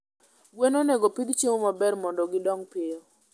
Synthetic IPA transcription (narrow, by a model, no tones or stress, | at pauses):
ɡwenonɛɡopid̪t͡ʃemomabɛrmɔndɔɡɪdɔŋpɪo